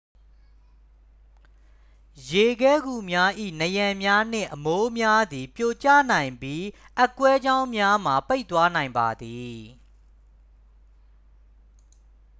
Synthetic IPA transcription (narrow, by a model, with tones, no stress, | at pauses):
je˨ɡɛ˦ɡu˨mja˦ʔḭ˦˨nəjã˨mja˦n̥ɪ̰̃˦˨ʔəmo˦mja˦d̪i˨pjo˨t͡ɕä̰˦˨nã˨ɪ̃mbji˦ʔə˦kwɛ˦d͡ʑã˦ʊ̃mja˦m̥a˨pe˦ɪʔt̪wa˦nã˨ɪ̃mba˨d̪i˨